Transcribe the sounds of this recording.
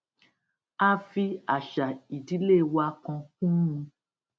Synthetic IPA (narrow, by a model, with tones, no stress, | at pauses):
a˧˦fi˧a˨ʃa˨i˨di˨˦le˦˨wa˧kɔ̃˧kũ˦ũ˧